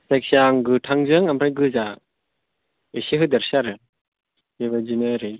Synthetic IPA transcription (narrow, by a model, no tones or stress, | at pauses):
seksaŋɡɯtʰaŋzɯŋampɾajɡɯza | esiɦɯd̪ɛɾsaɾɯ | iβad͡ʒinaɾi